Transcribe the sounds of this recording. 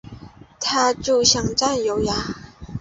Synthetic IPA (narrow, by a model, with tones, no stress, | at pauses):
t̪ʰa˧t͡su˧˩ɕa˨ŋt͡sa˥njo˨˩wja˨˧